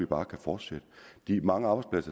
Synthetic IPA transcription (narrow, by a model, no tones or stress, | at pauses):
ib̥ɑ̈ːkʰæfɒːd̥sed̥əd̥imɑ̈ŋəɑ̈ːb̥ɑɪdsplæsɐ